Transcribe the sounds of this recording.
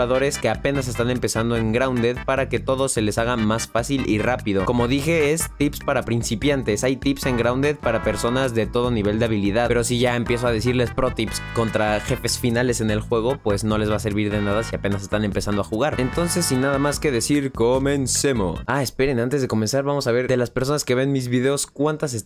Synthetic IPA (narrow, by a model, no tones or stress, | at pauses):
aðo̞ɾe̞ske̞ape̞nas̬e̞st̪ane̞mpe̞sand̪o̞e̞ŋɡɾawnd̪eðpaɾake̞t̪o̞ð̞o̞se̞le̞saɣamasfasilʔḭrapiðo̞ko̞mo̞ðixe̞est̪ipspaɾapɾinsipjant̪e̞sajt̪ipse̞ŋɡɾawnd̪eðpaɾape̞ɾso̞nazðe̞t̪o̞ð̞o̞niβ̞e̞ld̪eaβ̞iliðaðpeɾo̞siʝae̞mpje̞s̬oað̞es̬iɾle̞spɾo̞t̪ipsko̞nt̪ɾaxe̞fe̞sfinale̞se̞ne̞lxwe̞ɣ̞o̞pwe̞zno̞le̞zβase̞ɾβiɾðe̞naðasiapenas̬e̞st̪ane̞mpesand̪oaxuɣ̞aɾe̞nt̪o̞nse̞sinaðamaske̞ðe̞siɾkome̞nse̞mo̞̰ae̞spe̞ɾe̞nant̪e̞zðe̞ko̞me̞nsaɾβamo̞saβ̞e̞ɾd̪e̞laspe̞ɾso̞naske̞βe̞nmizβiðe̞o̞skwant̪as̬es